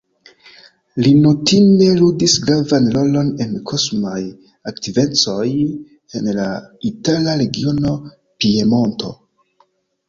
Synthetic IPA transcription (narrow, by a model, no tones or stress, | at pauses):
linotine̞ludisɡɾavanlo̞lo̞ne̞nkʰosmaj | aktive̞t͡so̞j | e̞nla̰italaɾe̞ɡio̞no̞ | pie̞mo̞nto̞̰